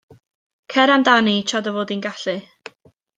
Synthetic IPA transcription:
kʰɛɾamdanit͡ʃʰadəvoːdinɡaɬɨ

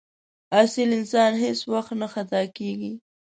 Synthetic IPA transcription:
asɪlɪnsɑnheswaxt̪naxat̪ɑkeɡi

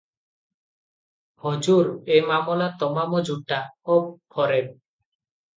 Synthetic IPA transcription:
hɔd͡ʒuɾemamɔlat̪ɔmamɔd͡ʒuʈːaɔpʰɔɾeb̚

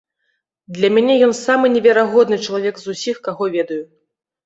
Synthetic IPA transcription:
d̪lʲɐmʲanʲɛjɔnsamɨnʲɛvʲɛɾaɣɔd̪nɨt͡ʂɐlˠavʲɛkzusʲixkaɣɔvʲɛd̪ɐju

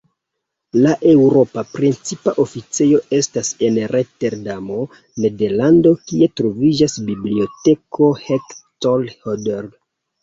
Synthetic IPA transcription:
laʔe̞wɾo̞papɾent͡sipaʔofit͡sejo̞ʔe̞stase̞nɾete̞ɾdamo̞ | ne̞de̞ɾlando̞kie̞tɾo̞vid͡ʒasbiblio̞te̞kʰo̞hektolhodeɾ

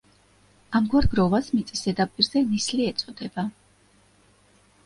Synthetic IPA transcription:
amɡwaɾɡɾɔvasmit̪sʼisɛd̪apʼiɾzɛnisliɛt̪sʼɔd̪ɛba

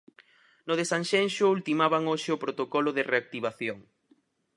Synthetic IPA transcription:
nʊðesanʃɛnʃʊult̪imaβaŋoʃɪʊpɾot̪okɔlʊðɪreak̚t̪iβaθjoŋ

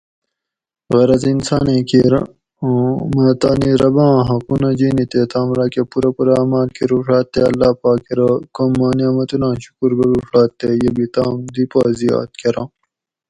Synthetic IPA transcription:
ɣɐɾɐzinsaːnẽːkiɾ̰ | mɐt̪aːniɾɐbɑ̃ːɦɐkunɐd͡ʑiːnit̪et̪aːmɾaːkepuɾɐpuɾɐaːmaːlkiɾuːʂaːt̪ːeɐlːaːpaːkeɾɐkomːaːnijaːmɐt̪unãːɕu̥kuɾɡɐɾuːʂaːt̪ːejebit̪aːmd̪ipaːzia̰ːt̪̚keɾãː

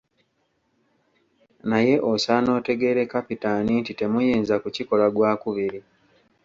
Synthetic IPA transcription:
naje̞ʔo̞saːno̞ːte̞ɡe̞ːɾe̞kapitanintite̞mujiːnzakuciko̞laɡwaːkuβiɾi

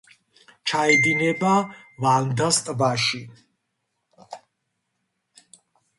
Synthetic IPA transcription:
t͡ʃʰaɛd̪inɛbavand̪ast̪ʼbaʃi

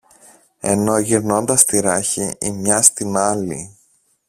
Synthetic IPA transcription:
e̞̰no̞ʝiɾno̞nd̪ɐst̪iɾɐçiimɲɐst̪inɐlḭ

